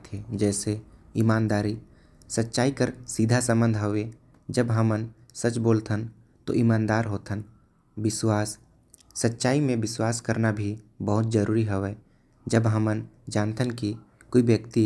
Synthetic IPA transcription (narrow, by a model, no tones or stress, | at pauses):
t̪ed͡ʒɛːseimaːnd̪aːɾi | sətːʃaːikəɾsiːd̪ʱasə̃mbə̃nd̪ʱɦoʋe | d͡ʒəbɦəmən | sət͡ʃboːlt̪ʰən | t̪o̰ʔimãːnd̪aːɾɦoːt̪ən | bɪswaːsː | ətːʃaːimẽbɪswaːskəɾnabʱibəɦʊt̪̚d͡ʒəɾuːɾiɦəʋɛ | d͡ʒəbɦəmənd͡ʒãːnt̪ʰənki | koibjəkt̪i